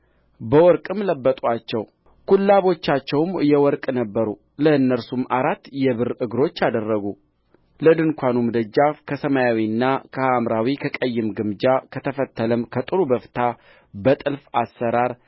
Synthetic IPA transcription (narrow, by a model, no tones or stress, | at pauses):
bəwɔɾkʼɨmləbːət̪ʼat͡ʃːɛw | kʰulːaβo̞t͡ʃːat͡ʃːɛwmjɛwɔɾkʼnəbːəɾu | ləɨnːəɾsumaɾat̪ːjɛβɨrɨɡɾo̞t͡ʃːad̪ərːəɡu | ləd̪ɨŋkʷʰanumd̪əd͡ʒːafkʰəsəmajawinːakʰəhamɾawikʰəkʼəjːɪmɡɨmd͡ʒakʰət̪ʰəfət̪ːələmkʰət̪ʼɨɾubəft̪ʰa | bət̪ʼɨlfasːəɾaɾ